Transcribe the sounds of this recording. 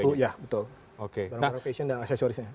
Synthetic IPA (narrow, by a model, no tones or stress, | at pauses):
ujabət̪ʊl | okebaɾãŋnaɾaŋfesɔndaŋasat͡ʃoɾɪsɲa